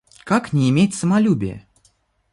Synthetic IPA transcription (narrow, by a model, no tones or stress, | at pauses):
kaknʲɪɪmʲetʲsəmalʲubʲɪ̰jə̰